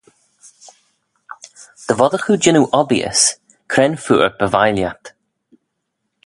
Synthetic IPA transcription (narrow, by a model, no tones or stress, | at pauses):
d̪̥əvɔðəxud͡ʒɪnuʔɔbiə̰s | kʰɾɛnfṵːɹb̥əvajljat̪